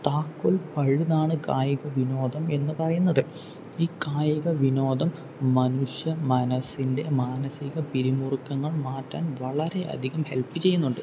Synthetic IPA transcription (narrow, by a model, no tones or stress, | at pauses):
t̪aːkːolpɐɻuðaːɳɨkaːjɐɣɐʋino̞ːd̪ɐme̞nːɨpɐrɐjunːɐðɨ | iːkaːjɐɣɐʋino̞ːd̪ɐmː | ɐnuʂjɐmɐnɐsinde̞maːnɐsiɣɐpiɾimurkːɐŋːɐɭmaːtːaːnʋɐɭɐɾe̞ʔɐ̰d̪ʱiɣɐmhe̞lpːɨt͡ɕe̞jːunːuɳɖɨ